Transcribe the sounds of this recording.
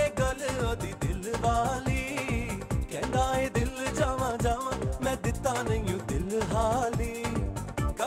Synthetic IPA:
eɡɐlod̪iːd̪ɪlʋaːliː | kɛ̃ːnd̪aːeːd̪ɪld͡ʒaːʋãːd͡ʒaːʋãmɛ̃ːd̪ɪt̪ːaːnɐijũd̪ɪlɦaːliː | kɐ

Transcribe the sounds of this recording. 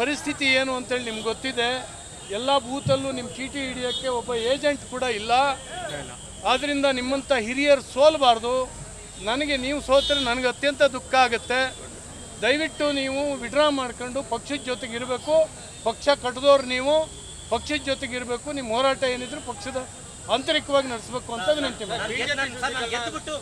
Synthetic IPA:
pɐɾist̪ʰit̪ieːnuɐnt̪ɦeːɭinimɐɡɡot̪ːid̪e̞ | ɛlːɐbuːt̪ɐlːunimːɐʈʰiːʈiɐiɽijakːe̞ɔbːɐeːd͡ʒeɳʈkuːɽɐilːɐ | aːd̪ɐɾind̪ɐnimːɐnt̪ɐɦiɾijɐɾsoːlbaːɾd̪u | nɐnɐɡe̞niːʋusoːt̪ɾenɐnɐɡɐt̪jɐnt̪ɐd̪ukːɐaːɡut̪ːe̞ | d̪ɐjʋiʈːuniːʋuʋiɖɾaːmaːɽkoɳɖupɐkʂɐd̪d͡ʒoːt̪eɡiɾbe̞ːku | pɐkʂɐkɐʈːɐd̪oːɾniːʋu | pɐkʂɐd̪d͡ʒot̪eɡiɾbe̞ːkuniːmːɦoːɾaːʈɐeːnid̪ɾupɐkʂɐd̪ɐ | ɐːnt̪ɐɾikɐʋaːɡinɐɽisbe̞ːkuɐnt̪ɐʋinɐnt̪imaː

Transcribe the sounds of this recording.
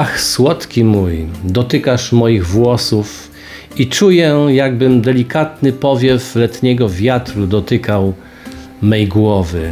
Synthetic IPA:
axswɔt̪kʲimujd̪ɔt̪ɘkaʂmɔjiɣvwɔsuf | it͡ʂujɛjaɡbɘmd̪ɛlʲikat̪nɘpɔvʲjɛflɛt̪ɲɛɡɔvʲjat̪ɾud̪ɔt̪ɘkaw | mɛjɡwɔvɘ

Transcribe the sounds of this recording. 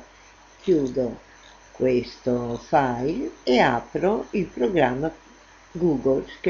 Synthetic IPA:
kʰjuːd̪o | kwest̪ofajleapɾoilpɾoɡɾamːa | ɡuːɡolsk

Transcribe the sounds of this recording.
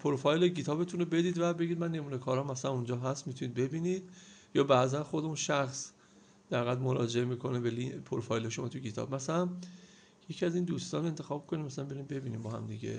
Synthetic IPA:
pʰoɾfɒjlecʰit̪ʰɒːbet̪ʰunobe̞d̪iːd̪væbe̞ɡid̪mænːe̞muːnekʰɒːɾɒːmæsælæmund͡ʒɒːɦæst̪miːt̪ʰuniːd̪̚be̞biːniːd̪̥jɒːbæʔzænxo̞d̪eunʃæxs | d̪̥æhɣæd̪moɾɒːd͡ʒe̞emiːkʰo̞nebelipʰoɾfɒːjlejʃomɒːt̪ʰucʰit̪ʰɒ̰ːb̥mæsælæn | jecʰiæziːnd̪uːst̪ɒːnɾoent̪ʰe̞xɒːb̥mikʰo̞nimæsælæmbeɾinbe̞biːniːmbɒːhæ̰md̪iɟḛ

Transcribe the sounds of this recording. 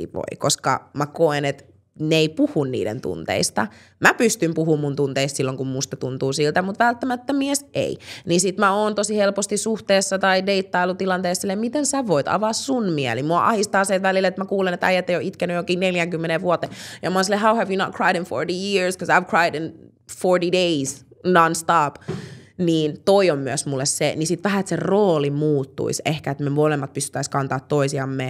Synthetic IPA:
ḭʋo̰iko̰skɑ̰mækoenet̪ | neipuhunnḭːdḛnt̪ṵnt̪ḛist̪ɑ̰ | mæpyst̪ympuhuːmmunt̪unt̪eist̪silːoŋkummust̪ɑt̪unt̪uːsilt̪æmut̪ʋælt̪ːæmæt̪ːæmiɛsʔḛinisit̪mæoːnt̪osihelpost̪issuht̪eːsːɑt̪ɑideit̪ːɑilut̪ilɑnt̪eːssilːemmit̪ensæʋoit̪ɑ̰ʋɑssunmiæ̰limuɑʔɑ̰hist̪ɑːseːtʋælilːet̪mækuːlenet̪ɑ̰jæt̪ːˑeijoʔit̪kænyjjokiːneljæŋkymːeneʋʋuot̪ːeːjɑmɑoːnsilːeɦawhæʋjunɑt̚kʰɹɑjɾə̃nfo̰ɹɾijiɹskosɑɪʋkʰɹ̥ɑjdn | foɹɾideisnɑnst̪ɑːpniːnt̪oiomːyæsmulːessenisit̪ʋæhæet̪seroːlimuːt̪ːṵisehkæet̪memolemːɑt̪pyst̪y̥t̪ːæiskɑnt̪ɑːt̪toisiɑmːe

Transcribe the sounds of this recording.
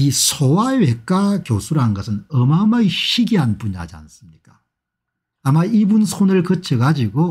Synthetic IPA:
isʰowaɥek͈akjosʰuɾanɯnɡʌsʰɯnʌmamaɕʰiɡiɦanpuɲiɦa̰d͡ʑia̰ns͈ɯmɲik͈ḁ | amaibunsʰonɯɭkɯt͡ɕʰeɡad͡ʑiɡo

